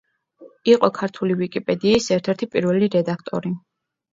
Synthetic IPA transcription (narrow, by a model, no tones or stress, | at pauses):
iqʼɔkʰaɾt̪ʰulivikʼipʼɛd̪iːsɛɾt̪ʰɛɾt̪ʰipʼḭɾvɛliɾɛd̪akʰt̪ʼɔ̰ɾi